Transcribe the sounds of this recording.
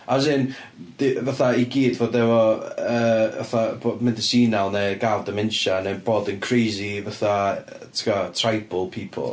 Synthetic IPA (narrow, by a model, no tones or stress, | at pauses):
azɪn | d̥ɪvaθaiɡiːdvoːdɛvɔəːva̰θabomɛndɪsiːnalˠnɛɡavdəmɪnʃanɛnb̥oːdənkʰrejzivaθa | tʰɪ̥katʰrajbʊlˠpʰiːpʰɔ̰lˠ